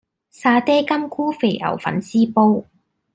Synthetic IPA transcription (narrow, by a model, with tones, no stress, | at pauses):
saː˧t̪eː˥kɐ˥mkʰuː˥fe˨˩ʔɐ̰˨˩wfɐ̰˨˥nsiː˥po˥w